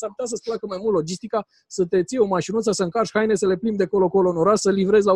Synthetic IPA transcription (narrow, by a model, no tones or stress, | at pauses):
saput̪as̬əsʲplakəmajmult̪lod͡ʒist̪ika | sət̪e̞t̪sieomaʃinut̪səsəɨŋkarʃʲhajne̞səle̞plimd̪ekolokolonoɾasəlivɾezʲla